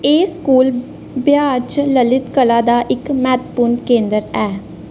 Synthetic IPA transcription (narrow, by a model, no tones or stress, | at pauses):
eːskuːl | bjaːt͡ʃləlɪt̪kəlaːd̪aːʔɪkmɛːt̪pʊnkẽːnd̪əɾɛː